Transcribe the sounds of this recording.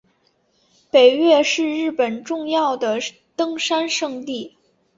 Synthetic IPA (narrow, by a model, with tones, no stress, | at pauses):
pe˨˩ɪɥɛ˥˧ʂɻ̩˥˧ɻɻ̩˥˩pə˨˩nʈ͡ʂʊ˥˧ŋjɑ˥˩ʊd̪ə˩ | t̪ɤ˥ŋʂa˥nʂɤ˥˧ŋt̪i˥˩